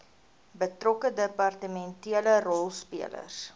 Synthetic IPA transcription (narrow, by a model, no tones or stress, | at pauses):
bətrɔkədəpɑrtəmɛntiələrɔlˠspiələ̰rs